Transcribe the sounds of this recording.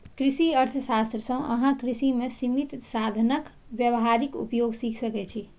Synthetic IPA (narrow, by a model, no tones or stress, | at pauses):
kɾisiəɾt̪ʰəsast̪ɾəsə̃ʔə̰ɦãkɾisimesimit̪sad̪ʱənək | bjəʋɦaɾikṵpjoɡsikʰsəkɛt͡ʃʰi